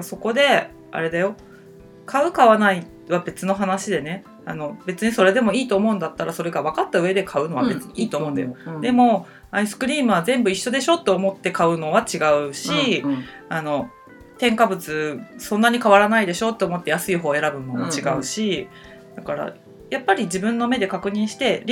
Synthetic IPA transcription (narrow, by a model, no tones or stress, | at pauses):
so̞ko̞d̪e̞ | a̰ɾe̞d̪ajo̞ | kʰaɯ̟kaβanai | βabe̞t͡sɨno̞ɦanaɕid̪e̞ne̞ | ano̞be̞t͡sɨɲ̟iso̞ɾe̞d̪e̞mo̞iːt̪o̞ːmo̞ɯ̟̃nd̪at̪ːaɾaso̞ɾe̞ɡaβakat̪ːaɯ̟e̞d̪e̞kʰaɯ̟no̞βabe̞t͡sɨɲ̟iiːt̪oːmmõ̞ːnd̪a̰jod̪e̞mo̞ | aisɨ̥kɯ̟ɾʲiːmɯ̟βazẽ̞mbɯ̟iɕːo̞d̪e̞ɕo̞t̪ːe̞omo̞t̪ːe̞kaɯ̟no̞β̞at͡ɕiɡaɯ̟ɕi | ano̞ | t̪ẽ̞ŋkabɯ̟t͡sɨsõ̞nːaɲ̟ikaβaɾanaid̪e̞ɕo̞t̪ːe̞omo̞t̪ːe̞jasɨiɦo̞ːe̞ɾabɯ̟not͡ɕiɡaɯ̟ɕi | d̪̥akaɾa̰ | japːaɾʲid͡ʑibɯ̟̃nːo̞me̞d̪e̞kakɯ̟ɲ̟ĩɰ̃ɕi̥t̪e̞ɾʲ